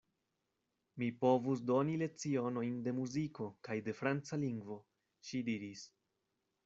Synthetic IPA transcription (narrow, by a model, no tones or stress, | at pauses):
mipo̞vusdo̞nile̞t͡sio̞no̞jnde̞muziko̞kajde̞fɾant͡saliŋɡvo̞ | ʃidiɾis